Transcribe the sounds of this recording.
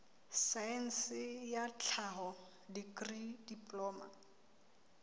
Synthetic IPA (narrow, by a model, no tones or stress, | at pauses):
saɛn̩sɪjat͡ɬʰaɦɔ | dikridipʼlɔːma̰